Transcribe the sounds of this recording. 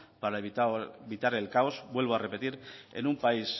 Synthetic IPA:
paɾaeβit̪aɾe̞lkaozbwe̞lβ̞oare̞pe̞t̪iɾḛnumpais

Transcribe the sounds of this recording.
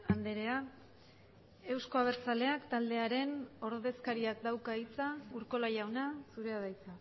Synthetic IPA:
and̪e̞ɾe̞a | e̞wsko̞aβ̞e̞ɾt͡sale̞akt̪ald̪e̞aɾe̞no̞ɾðe̞skaɾiakd̪awkait͡sauɾko̞lajawnasuɾe̞aðajt͡sa

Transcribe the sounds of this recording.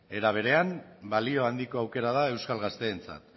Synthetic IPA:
e̞ɾaβ̞e̞ɾe̞ambalio̞and̪iko̞awke̞ɾað̞ae̞wskalɣast̪e̞ːnt͡sa̰t̪

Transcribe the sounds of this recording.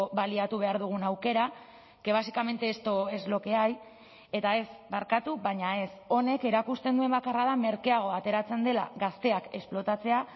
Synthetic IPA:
βaliat̪uβ̞e̞aɾðuɣ̞unawke̞ɾa | ke̞β̞asikame̞nt̪e̞ːst̪o̞e̞zlo̞ke̞aj | e̞t̪ae̞smaɾkat̪uβaɲae̞so̞ne̞ke̞ɾakust̪e̞nd̪ue̞mbakarað̞ame̞ɾkeaɣ̞o̞at̪e̞ɾat͡se̞nd̪e̞la̰ɣast̪e̞ake̞splo̞t̪at͡se̞a

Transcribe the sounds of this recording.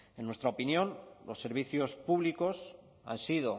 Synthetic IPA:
enːwest̪ɾaopinjõ̞nlo̞sːe̞ɾβ̞iθjo̞spuβliko̞s | a̰nsiðo̞

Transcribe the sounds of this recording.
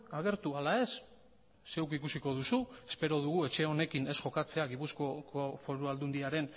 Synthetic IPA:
aɣe̞ɾt̪ualae̞sː | e̞wkikusiko̞ðusue̞spe̞ɾo̞ðuɣue̞t͡ʃe̞o̞ne̞kine̞sʝo̞kat͡seaɣipuskokofo̞ɾuald̪und̪iaɾe̞n

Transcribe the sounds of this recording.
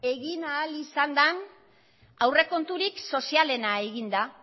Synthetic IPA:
e̞ɣinaːlisand̪an | awre̞ko̞nt̪uɾikso̞siale̞nae̞ɣind̪a

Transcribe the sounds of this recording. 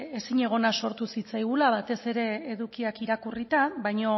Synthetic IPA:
e̞siɲe̞ɣ̞o̞naso̞ɾt̪usit͡sajɣ̞ulaβat̪e̞se̞ɾe̞ːðukiakiɾakurit̪abajɲo̞

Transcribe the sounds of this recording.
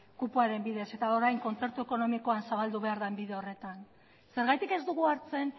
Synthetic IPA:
kupuaɾe̞mbiðe̞se̞t̪ao̞ɾajŋko̞nt͡se̞ɾt̪ue̞ko̞no̞miko̞ansaβald̪uβ̞e̞aɾðaembiðe̞o̞re̞t̪an | se̞ɾɣajt̪ike̞zd̪uɣ̞uaɾt͡se̞n

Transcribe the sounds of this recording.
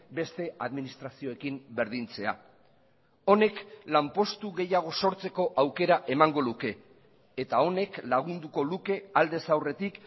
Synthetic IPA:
be̞st̪e̞aðminist̪ɾasio̞e̞kimbe̞ɾðint͡se̞a̰ | o̞ne̞klampo̞st̪uɣe̞jaɣ̞o̞so̞ɾt͡se̞ko̞ʔawke̞ɾaʔe̞maŋɡo̞luke̞ː | t̪ao̞ne̞klaɣ̞und̪uko̞luke̞ald̪e̞sawre̞t̪ik

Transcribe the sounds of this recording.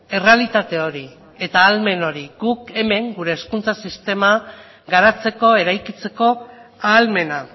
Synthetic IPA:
e̞re̞alit̪at̪e̞o̞ɾi | e̞t̪aːlme̞no̞ɾiɡuke̞me̞ŋɡuɾe̞ːskunt͡sasist̪e̞ma | ɡaɾat͡se̞ko̞e̞ɾajkit͡se̞ko̞aːlme̞na

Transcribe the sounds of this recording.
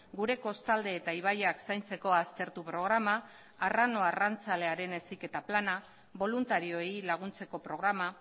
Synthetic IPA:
ɡuɾe̞ko̞st̪ald̪e̞ːt̪aiβ̞ajaksajnt͡se̞ko̞ast̪e̞ɾt̪upɾo̞ɣ̞ɾamaː | rano̞arant͡sale̞aɾe̞ne̞sike̞t̪aplana | βo̞lunt̪aɾio̞ejlaɣ̞unt͡se̞ko̞pɾo̞ɣ̞ɾama

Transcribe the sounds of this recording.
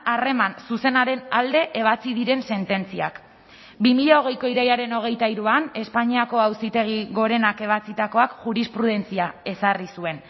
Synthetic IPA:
are̞mansuse̞naɾe̞nald̪e̞ʔeβ̞at͡siðiɾe̞nse̞nt̪e̞nt͡sia̰k | bimiʎaoɣ̞e̞jko̞iɾajaɾe̞no̞ɣ̞e̞jt̪aiɾuane̞spaɲiako̞awsit̪e̞ɣ̞iɣo̞ɾe̞nake̞β̞at͡sit̪ako̞akʝuɾispɾuð̞e̞nt͡siae̞sarisue̞n

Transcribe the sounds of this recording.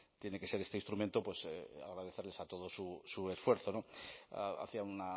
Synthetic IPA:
t̪je̞ne̞ke̞se̞ɾe̞st̪eĩnst̪ɾument̪o̞pwe̞sa̰ɣ̞ɾaðe̞θele̞sat̪o̞ð̞o̞susue̞sfwe̞ɾθo̞no̰ | a̰θiauna

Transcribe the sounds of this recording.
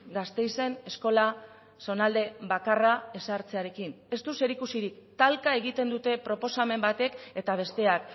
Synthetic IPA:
ɡast̪e̞jse̞ne̞sko̞la | so̞nald̪e̞βakarae̞saɾt͡se̞aɾe̞kin | e̞st̪use̞ɾikusiɾikt̪alkae̞ɣ̞it̪e̞nd̪ut̪e̞pɾo̞po̞same̞mbat̪e̞ke̞t̪aβ̞e̞st̪e̞ak

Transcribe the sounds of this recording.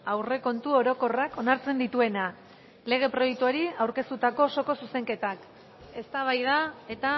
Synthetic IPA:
awre̞ko̞nt̪uo̞ɾo̞ko̞rako̞naɾt͡se̞nd̪it̪ue̞na | le̞ɣ̞e̞pɾo̞jekt̪uaɾiawɾke̞st̪ut̪ako̞so̞ko̞suse̞ŋke̞t̪ak | e̞st̪aβ̞ajðae̞t̪a

